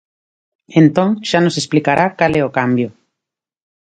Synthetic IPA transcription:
ent̪õŋʃanosesplikaɾʔakaleokambjo

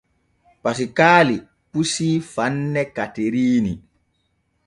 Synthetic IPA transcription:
pasikaːli | pusiːfanːɛkateɾiːni

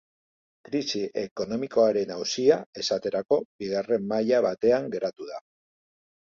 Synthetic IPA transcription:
kɾisiʔe̞ko̞no̞miko̞aɾe̞nawsiae̞sat̪e̞ɾako̞biɣare̞mːaʎaβat̪e̞aŋɡe̞ɾat̪uða

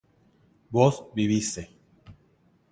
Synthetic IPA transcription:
bosbiβise

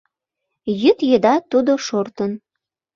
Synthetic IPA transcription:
jyt̪jed̪ɑt̪ud̪oʃort̪ən

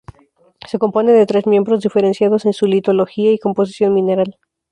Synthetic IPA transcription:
se̞ko̞mpo̞ne̞ðe̞t̪ɾe̞zmje̞mbɾo̞zðife̞ɾe̞nsjaðo̞se̞nsulit̪o̞lo̞xiaiko̞mpo̞s̬i̥sjo̞nmĩne̞ɾal

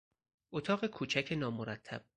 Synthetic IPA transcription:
ʔot̪ʰɒːɣe̞kʰuːt͡ʃʰæcʰe̞nɒːmoɾæt̪ʰːæ̰b̥̚

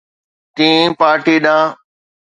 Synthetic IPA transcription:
t̪ĩːpaːɾʈiːɗãː

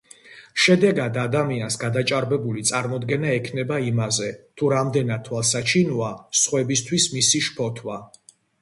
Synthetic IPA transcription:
ʃɛd̪ɛɡad̪ad̪amiansɡad̪at͡ʃʼaɾbɛbulit̪sʼaɾmɔd̪ɡɛnaɛkʰnɛbaimazɛt̪ʰuɾamd̪ɛnat̪t̪ʰwalˠsat͡ʃʰinuasχwɛbist̪ʰwismisiʃpʰɔt̪ʰwa

